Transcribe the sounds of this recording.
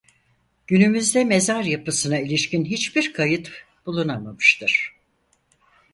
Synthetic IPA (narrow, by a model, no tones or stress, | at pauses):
ɟ̥ynymyzd̪ɛme̞zaɾjapɯsɯnailʲiʃcinɦit͡ʃbiɾkʰajɯt̪ | b̥ulˠunamamɯʃt̪ʰɯɾ̥